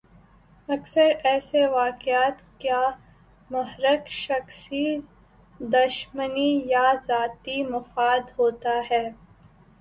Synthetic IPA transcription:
ɐksəɾɛːseʋaːkɪaːt̪kjaː | mɐɦɾəkʃɐxsi | d̪ɐʃmənijazaːt̪imɐfaːd̪ɦoːt̪aɦɛː

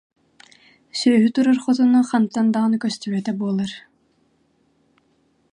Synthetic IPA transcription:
sœːɦyt̪uɾaɾχɔt̪ɔnɔχant̪ːand̪aʁɯnɯkœst̪ɛβɛt̪ɛbuɔlˠaɾ

